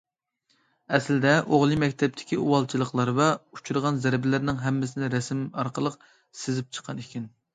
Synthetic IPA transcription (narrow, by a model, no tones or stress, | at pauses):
ɛslɪd̪ɛʔoʁlˠɨmɛkʲt̪ʰɛp̚t̪ʰɪ̥kʲiuwɑlˠt͡ʃʰilˠəχqlˠɑɾvɛu̥t͡ʃʰuɾʁɑnzæɾbɪlɪɾnɪŋɦɛmːɪsɪnɪɾɛsmɑɾqəlˠəq | sɪzɪp̚t͡ʃʰə̥qʰːɑnikʲʰin